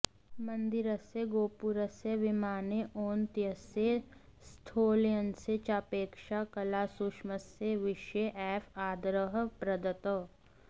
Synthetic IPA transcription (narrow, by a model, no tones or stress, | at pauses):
mɐ̃nd̪ɪɾəseɡoːpuɾəseʋɪmaːneʔoːnt̪jəsesʈʰoːlijənset͡ʃapeːkʃakɐlaːsuʃməseʋɪʃeʔɛːfʰaːd̪ɾəɦəpɾɐd̪ɐt̪ə